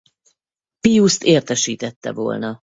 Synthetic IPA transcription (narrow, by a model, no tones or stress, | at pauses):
pijust̪eːrt̪ɛʃiːt̪ɛt̪ːɛ̰vo̰ːlnɒ